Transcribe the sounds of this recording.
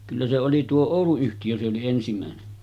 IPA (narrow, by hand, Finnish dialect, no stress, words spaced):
kylːæ se oli tuo oˑuluyhtijø se oli ensimæˑene